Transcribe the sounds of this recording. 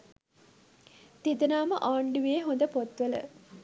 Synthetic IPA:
t̪id̪ənaːməʔaːɳɖuʋieːɦond̪əpot̪ʋələ̰

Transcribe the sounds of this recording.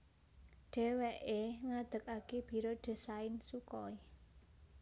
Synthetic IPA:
ɖ̥ɛ̤wɛʔeŋad̪̥ə̤kakeb̥i̤ɾoɖ̥e̤saɪnsukɔi

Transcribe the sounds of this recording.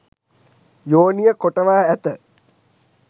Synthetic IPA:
joːnijəkoʈəʋaːæt̪ə

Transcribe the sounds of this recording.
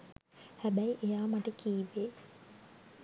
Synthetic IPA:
hæbæiʔejaːmaʈəkiːʋeː

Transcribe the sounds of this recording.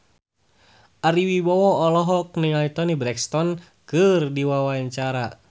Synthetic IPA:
ʔaɾiwibɔwɔɔlɔɦɔk̚niŋait̪ɔnibɾɛkst̪ɔn | kɨrdiwawaɛɲt͡ʃaɾa

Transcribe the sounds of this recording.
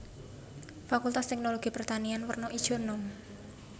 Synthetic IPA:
fakult̪ast̪ɛk̚noloɡ̥i̤pərt̪anianwərnɔʔid̥ʒ̥o̤nɔm

